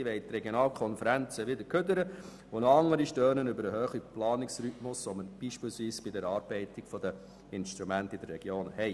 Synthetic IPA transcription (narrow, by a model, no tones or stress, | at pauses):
ʋɛɪt̪ɾɛɡjonɑːlkʰɔnfəɾænt͡səʋɪd̪əɾkʰødəɾə | ʋonoɑŋːəɾiʃtøːnənʏbəɾəhøːχiplɑːnɪksɾytmʊsɔmənb̥iːʃpɪːlsʋiːsb̥idɛɾɑːɾb̥ɛɪtɪɡ̥fɔd̥̪ə | ɪnʃt̪ɾumæntid̥əɾːɛɡjoːnhɛɪ